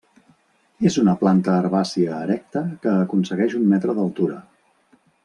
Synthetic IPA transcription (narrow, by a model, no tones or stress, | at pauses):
ezunəplant̪əːɾβasiəːɾɛk̚t̪əkəːkunsəɣɛʃummɛt̪ɾəðəlˠt̪uɾə